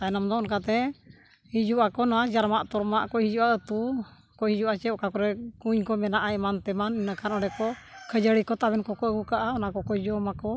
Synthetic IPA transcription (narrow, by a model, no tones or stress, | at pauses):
kanamd̪ɔɔnkat̪ɛ | hid͡ʒuʔakɔnad͡ʒaɾmaʔt̪ɔɾmaʔkɔhid͡ʒuaət̪u | kɔhid͡ʒuʔat͡ʃɛɔʔkakɔɾɛkuɲkɔmɛnaʔaʔmant̪ɛmaninəkʰanɔɽɛkɔkʰəd͡ʒəɽikɔt̪aβɛnkɔkɔəɡukaʔaɔnakɔkɔd͡ʒɔmakɔ